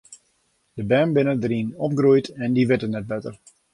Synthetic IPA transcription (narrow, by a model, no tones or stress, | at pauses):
d̥əbɛːmbɪnədəɾinɔpɡrujtʰɛndiʋɪtənɛt̚bɛtər